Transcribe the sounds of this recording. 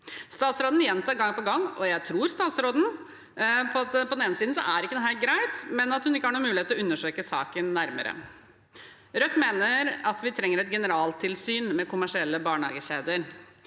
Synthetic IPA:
st̪ɑːt̪sɾoːd̪n̩jɛnt̪ɑːɾɡɑŋːpɔɡɑŋːɔjæɪt̪ʰɾuːɾst̪ɑːt̪sɾoːd̪n̩ | pʰɔɑt̪pʰɔd̪ɛneːnəsiːd̪n̩sɔ̰ʔæɾɪkːəd̪ɛnɦæɡɾæɪt̪mɛnɑt̪hʉnɪkːəhɑːɳuːmʉːlɪeːt̪əlɔʉnːəʂøːkəsɑ̰ːkənːæɾmə̰ɾə̰ | ɾœt̪ːmeːnəɾɑt̪ʋɪt̪ʰɾɛŋːəɾɛt̪̚ɡɛnəɾɑːlt̪ʰɪlsyːnmɛkʰʊmæʂɪɛlːəbɑːɳhɑ̰ːɡəɕeːd̪əɾ

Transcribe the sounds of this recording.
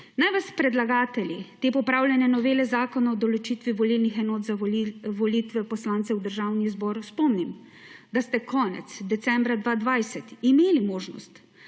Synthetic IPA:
najʋaspɾɛd̪laɡaːt̪ɛlʲit̪eːpɔpɾaːwlʲjɛnɛnɔʋeːlɛzaːkɔnaɔd̪ɔlɔt͡ʃiːt̪ʋiʋɔlilnixɛnɔːt̪zaʋɔlit̪ʋɛpɔslaːnt̪sɛwd̪əɾʒawnizbɔːɾspɔmnim | d̪ast̪ɛkʰɔːnɛ̰t̪sd̪ɛt̪sɛmbɾad̪ʋaːd̪ʋajsɛt̪imeːlimoːʒnɔ̰st̪

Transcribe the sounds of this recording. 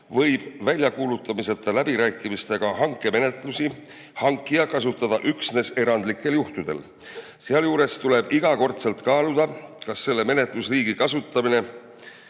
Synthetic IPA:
vɤ̞jb̥vælʲjɑkuːlut̪ːˑɑmise̞t̪ːˑɑlæbiɾæːkːˑimist̪e̞ɡ̥ɑhɑŋkːˑe̞me̞ne̞t̪ˑlusi | hɑŋkˑːiɑkɑsut̪ːˑɑd̪̥ɑʔyksne̞se̞ɾɑnd̪̥likːˑe̞ljuht̪ud̪̥e̞̰l | seɑljuːɾe̞st̪uleb̥iɡ̥ɑko̞rt̪selt̪kɑːlud̪̥ɑkɑsːe̞lːe̞me̞ne̞t̪ˑlusriːɡ̥ikɑsut̪ːˑɑmine̞

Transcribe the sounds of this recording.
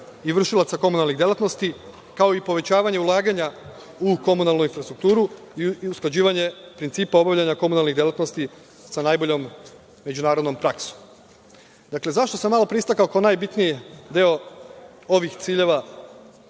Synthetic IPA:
iʋr̩ʃilˠat̪sako̞munalˠniɣd̪jelˠat̪no̞st̪i | kao̞ipo̞ʋe̞t͡ɕaːʋaɲe̞ulˠaːɡaɲa | uko̞munalˠnuinfɾast̪ɾukt̪uːɾu | iusklˠad͡ʑiːʋaɲe̞pɾint̪siːpao̞baʋʎaɲako̞munalˠniɣd̪je̞lat̪no̞st̪i | sanajbo̞ʎo̞mː | e̞d͡ʒunaːɾod̪no̞mpɾaksu̥ | d̪akle̞zaʃt̪o̞samːalo̞pɾist̪akaokaonaːjbit̪nijid̪eo | o̞ʋixt̪siːʎe̞ʋa

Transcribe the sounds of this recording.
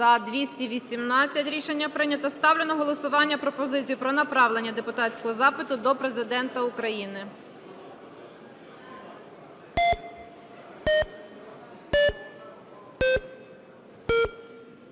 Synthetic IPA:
ɐd̪ʋʲisʲtʲiʋʲisʲimnɑt͡sʲːɐtʲɾʲiʃenʲːɐpɾɪnʲɐt̪ɐst̪ɑwlʲenɔɦɔlˠɔsʊʋɑnʲːɐpɾɔpɔzɪt͡sʲijupɾɔnɐpɾɑwlˠe̞nʲːɐd̪e̞pʊt̪ɑtt͡ssʲkɔɦɔzɑpɪt̪ʊd̪ɔpɾe̞zɪd̪ɛnt̪ɐʊkɾɐjinɪ

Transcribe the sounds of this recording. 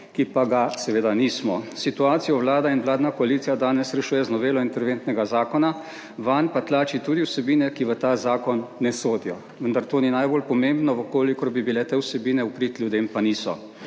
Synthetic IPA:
kipaɡasɛʋeːd̪aniːsmɔsit̪uaːt̪sijɔwlaːd̪ainwlaːd̪nakɔalit̪sijad̪aːnɛsɾɛʃuːjɛznɔbeːlɔint̪ɛɾʋeːnt̪nɛɡazaːkɔna | ʋanpat̪laːt͡ʃit̪uːd̪iwsɛbiːnɛkiʋət̪aːzaːkɔnːɛsoːd̪ijɔ | ʋənd̪aɾt̪oːninajboːlpɔmeːmbnɔʋəkoːlikɔɾbibilɛt̪eːwsɛbiːnɛupɾiːt̪ljud̪eːmpaniːsɔ̰

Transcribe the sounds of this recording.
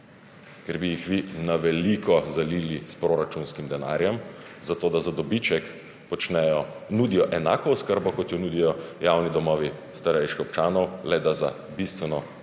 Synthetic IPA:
kɛɾbijixʋinaʋɛlikʰɔzaliːlispɾoɾat͡ʃunskimd̪ɛna̰ːɾjɛm | zat̪oːd̪azad̪ɔbit͡ʃɛk | pɔt͡ʃnɛjɔ | nuːd̪ijɔʔɛnaːkɔɔskəɾbɔkɔt̪jɔnuːd̪ijɔjawnid̪ɔmɔːʋist̪aɾɛjʃkixɔpt͡ʃaːnɔwlɛd̪aza̰ | bist̪ʋɛnɔ

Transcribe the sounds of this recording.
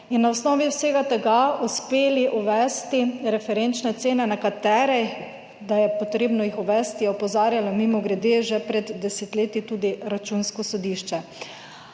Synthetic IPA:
inːaɔsnɔːʋiwseːɡat̪ɛɡauspeːliʔuʋɛst̪iɾɛfɛɾent͡ʃnɛt̪seːnɛnakat̪ɛːɾɛ | d̪ajɛpɔt̪ɾeːbnɔixuʋɛst̪ijɛɔpɔzaːɾjalɔmimɔɡɾɛd̪eʒɛpɾɛd̪ːɛsɛt̪leːt̪it̪uːd̪iɾat͡ʃuːnskɔsɔd̪iːʃt͡ʃɛ

